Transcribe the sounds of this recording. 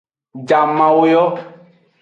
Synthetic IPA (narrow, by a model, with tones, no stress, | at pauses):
d͡ʒa˨mã˨wo˦jɔ˦